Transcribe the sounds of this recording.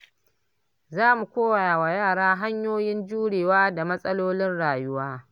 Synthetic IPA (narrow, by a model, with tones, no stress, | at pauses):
zaː˦mu˨kʷoː˦wa˨jaː˨wa˨jaː˦˨ɽaː˦ɦa˦ɲjoː˦jɪ˦nd͡ʒuː˦ɽeː˨waː˦da˨mɐ˦sʼɐ˦loː˦lɪ˦nɽaː˨jʊ˦waː˦